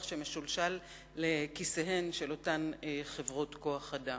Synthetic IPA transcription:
χʃeme̞ʃulʃalː | ekiseɦe̞nʃelo̞tanχevʁotko̞aχada

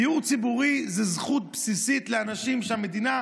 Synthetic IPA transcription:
uʁt͡sibuʁizezχut̪̚psisit̪leanaʃimʃeame̞d̪ina

